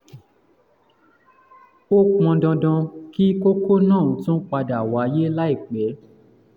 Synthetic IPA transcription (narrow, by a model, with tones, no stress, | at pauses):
o˦k͡pɔ̃˧dɔ̃˧dɔ̃˧ki˦ko˦ko˦nãː˦˨ũ˨tũ˦k͡pa˧da˨wa˨˦je˦la˦i˦˨k͡pɛ˨˦